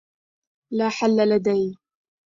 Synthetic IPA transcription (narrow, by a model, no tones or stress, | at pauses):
laːħalːalad̪ajn